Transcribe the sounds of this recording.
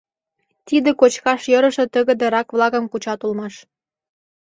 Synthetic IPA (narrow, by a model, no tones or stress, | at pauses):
t̪id̪ĕkot͡ɕkɑʃjɤɾə̆ʃĕt̪ə̆ɣə̆d̪ĕɾɑkβlˠɑɣə̆mkut͡ɕɑt̪ulmɑʃ